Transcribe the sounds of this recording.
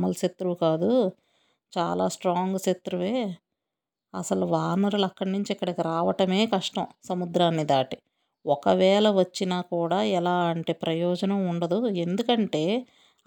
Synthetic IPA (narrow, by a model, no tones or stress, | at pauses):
mɐlset̪ːɾuʋkaːd̪u | t͡ʃaːla̰ːsʈɾaːŋɡuset̪ːɾuʋe̞ː | ɐ̰sɐluʋaːnɐɾulɐkːɐɽɐnuɲt͡ʃiikːɐɽikiɾaːʋɐʈɐme̞ːkɐʂʈɐmsɐmud̪ɾaːnːid̪aːʈi | ɔkɐʋɛːlɐʋɐt͡ʃːinaːkuːɽaːɛlaːɐɳʈeːpɾɐjɔːd͡ʒɐnɐmuɳɖɐd̪uend̪ukɐɳʈe̞ː